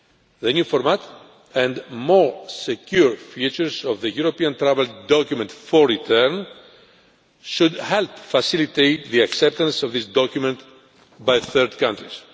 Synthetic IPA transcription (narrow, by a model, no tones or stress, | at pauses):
ðenjufoɾmat̪ | ẽnd̪moɹsekuɹfit͡ʃuɹsovðəjuɾopiɐ̃nt̪ɾaveld̪okumẽnt̪foɹːit̪ʰeɾn | ʃud̪helpfɐsilit̪ejt̪ðiɐksep̚t̪ɐ̃nsovðisd̪okumẽnt̪ | bajθəɾd̪kãnt̪ɾis